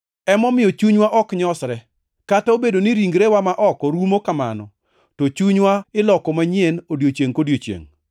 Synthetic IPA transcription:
ɛmɔmɪjɔt͡ʃuɲwaʔɔkɲɔsɾɛ | kataobedoniɾiŋɡɾewamaʔɔkoɾumokama̰nɔ̰ | tot͡ʃuɲwaɪlɔkɔmaɲenodjot͡ʃjeŋkodjot͡ʃjḛŋ

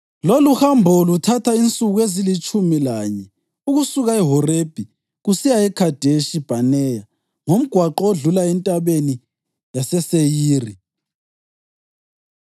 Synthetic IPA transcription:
loluhambʱɔlutʰatʰaint͡sʼuɣuezilit͡ʃʼumilaːɲɛ | uɣusuɣaɛɦɔreb̥ʱi | ɣusijaɛkʰad̥ʱeʃib̥ʱanɛja | ŋom̩ɡ̥ʱwaǃɔoɮulaɛntʼaβeni | jasɛsejiːri

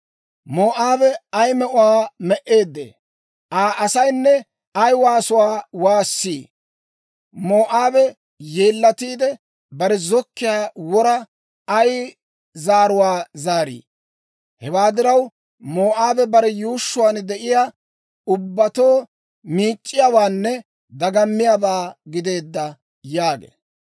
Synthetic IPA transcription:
moːʔaːbɛɐjmɛʔʊwaːmɛʔe̞ːd̪ːḛː | ʔaːʔɐsɐjnːɛ | ɐjwaːsʊwaːwaːsːiː | moːʔaːbɛ | jeːlːɐt̪iːd̪ɛ | bɐɾɛzɔkːɪjaːwɔɾɐ | ɐj | zaːɾʊwaːzaːɾḭː | hɛwaːd̪ɪɾɐw | moːʔaːbɛbɐɾɛjuːʃːʊwaːnd̪ɛʔɪjaː | ʊbːɐt̪o̞ː | miːt͡ʃʼːɪjaːwaːnːɛ | d̪ɐɡɐmːɪjabaːɡɪd̪e̞ːd̪ːɐ | jaːɡḛː

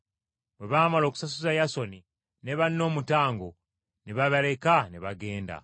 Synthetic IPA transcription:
bwe̞βaːmalo̞ːku̥sasuzajaso̞ni | neβanːo̞ːmutaːŋɡo | neβaβale̞kaneβaɡe̞ːnda̰

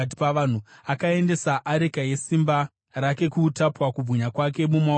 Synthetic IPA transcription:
tpaan̤uakae̞nde̞saʔaɾekaje̞simba | rake̞kutapwakub͡vʱuɲakwak̬e̞muma

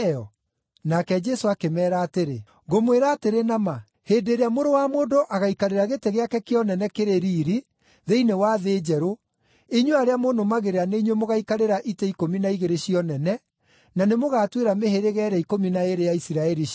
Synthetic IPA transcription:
ɔ | nakɛd͡ʒɛsoakemɛːɾaːteɾe | ɣomweɾaːteɾenama | heːdeɾeamoɾowamoːdoʔaɣaikaɾeɾaɣeteɣeakɛkeɔnɛnɛkeɾeɾiːɾi | ðeinewaðeːd͡ʒɛɾo | iɲweaɾeamoːnomaɣeɾeaneiɲwemoɣaikaɾeɾaʔitɛikominaiɣeɾeɕiɔnɛnɛ | nanemoɣaːtweɾameheɾeɣɛɾɛikominaeɾejaisiɾaɛɾi

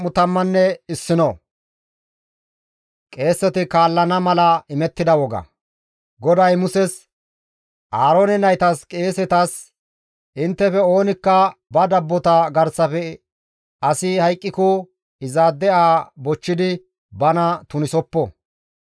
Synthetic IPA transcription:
ʊt̪ɐmːɐnːɛɪsːɪnɔ | kʼe̞ːsːɛt̪ɪkaːlːɐnɐmɐlɐɪmɛt̪ːɪd̪ɐwɔɡɐ̰ | ɡɔd̪ɐjmʊsɛs | ʔaːɾoːnɛnɐjt̪ɐskʼe̞ːsɛt̪ɐs | ʔɪnt̪ːɛfɛo̞ːnɪkːɐbɐd̪ɐbːɔt̪ɐɡɐɾsːɐfɛ | ɐsɪhɐjkʼːɪkʊ | ɪzaːd̪ːɛʔaːbɔt͡ʃːɪd̪ɪ | bɐnɐt̪ʊnɪsɔpːɔ

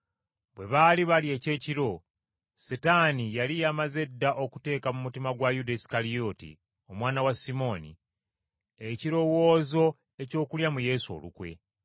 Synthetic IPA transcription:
βwe̞βaliβalje̞ːce̞ːciɾo̞ | setanijalijamaze̞dːaʔo̞ku̥te̞ːkamumutimaɡwajudesi̥kalijo̞tḭ | o̞mwaːnawasimo̞ːnḭ | eciɾo̞wo̞ːzo̞ | e̞co̞ːkuljamuje̞suo̞̰lṵkwe̞̰

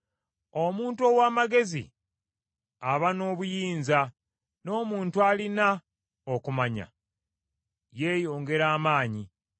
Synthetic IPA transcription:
o̞muːnto̞ːwaːmaɡe̞zḭ | aβano̞ːβujiːɲza | no̞ːmuːntualina | okumaɲa̰ | je̞ːjo̞ːŋɡe̞ɾaːmaːɲi

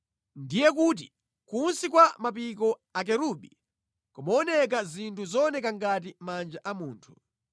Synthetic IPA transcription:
ndijɛkut̬i | kunsikwamapik̬ɔak̬ɛɾuɓi | kumaɔnɛk̬azintʰuzɔɔnɛkaŋɡat̬imand͡ʒaʔamuːntʰu̥

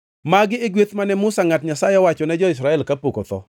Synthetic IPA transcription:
maɡɪːɡwet̪manɛmʊsaŋatɲasajɛwat͡ʃɔnɛd͡ʒɔɪs̬ɾaɛlkapokot̪ɔ̰

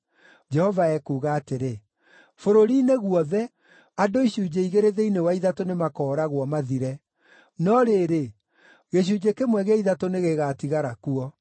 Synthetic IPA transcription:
d͡ʒɛhɔvaɛkuːɣaːteɾe | foɾoɾineɣuɔðɛ | adoiɕud͡ʑeiɣeɾeðeinewaiðatonemakɔːɾaɣwɔmaðiɾɛ | nɔɾeɾe | ɣeɕ̬ud͡ʑekemwɛɣeɛiðatoneɣeɣatiɣaɾakuɔ

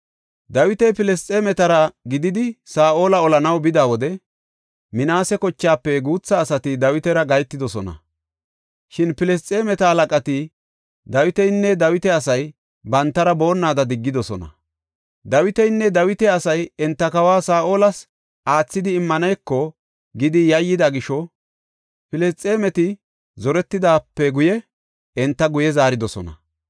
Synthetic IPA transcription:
d̪ɐwɪt̪ɛjpɪlɛst͡sʼɛmɛt̪ɐɾɐɡɪd̪ɪd̪ɪsaːʔo̞ːlɐɔlɐnɐwbɪd̪aːwɔd̪ɛ | mɪnaːsɛkɔt͡ʃːaːpːɛɡuːt͡sːɐːsɐt̪ɪd̪ɐwɪt̪ɛɾɐɡɐjt̪ːɪd̪ɔsɔnɐ̰ | ʃɪnpɪlɛst͡sʼːɛmɛt̪ɐhɐlɐkʼɐt̪ɪ | d̪ɐwɪt̪ɛjnːɛd̪ɐwɪt̪ɛɐsɐj | bɐnt̪ːɐɾɐbo̞ːnːaːd̪ɐd̪ɪɡːɪd̪ɔsɔnɐ̰ | d̪ɐwɪt̪ɛjnːɛd̪ɐwɪt̪ɛɐsɐjɛnt̪ːɐkɐwaːsaːʔoːlɐs | ʔaːt͡sːɪd̪ɪːmːɐnɐjkːɔ | ɡɪd̪ɪjɐjːɪd̪ɐɡɪʃɔ | pɪlɛst͡sʼːe̞ːmɛt̪ɪ | zɔɾɛt̪ːɪd̪aːpːɛɡʊjɛ | ɛnt̪ːɐɡʊjɛzaːɾɪd̪ɔsɔnɐ̰

